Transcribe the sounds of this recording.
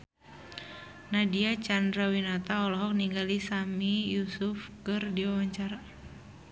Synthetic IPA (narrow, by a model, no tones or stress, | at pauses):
nadiat͡ʃandɾawinat̪aɔlɔɦɔk̚niŋɡalisamijusufkɨrdiawaɲt͡ʃaɾa